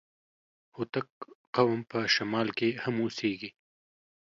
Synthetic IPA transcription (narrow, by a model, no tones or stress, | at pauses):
hut̪akqawampəʃamɑlkehamuseɡi